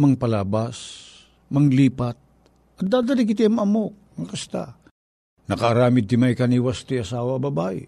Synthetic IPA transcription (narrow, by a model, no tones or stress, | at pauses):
mɐŋpɐlaːbas | mɐŋliːpat̪̚ | ʔɐt̪̚d̪aːd̪ɐlɪkɪt̪̬iɐmɐmok̚ŋɐkɐst̪a̰ | nɐkɐɐɾaːmɪd̪̚ɪmajkɐniwast̪ojɐsaːwɐbɐbaʔɪ̰